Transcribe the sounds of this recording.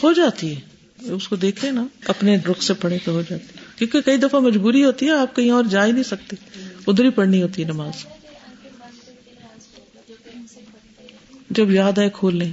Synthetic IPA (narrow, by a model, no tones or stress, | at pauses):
hod͡ʒaːt̪iɦɛː | ʊskod̪eːkʰẽnaɐpneɖɾʊksepɐɽekoɦod͡ʒaːt̪iɛkjõːkekɐid̪ɐfamɐd͡ʒbuːɾiɦoːt̪iɦɛaːp̚kɐɦĩɔːɾd͡ʒaːinɐɦĩsɐk̚t̪eʊd̪ɾipɐɽniɦoːt̪iɦɛnɐmaːz | d͡ʒɐbzjaːd̪aɦekʰoːlːẽː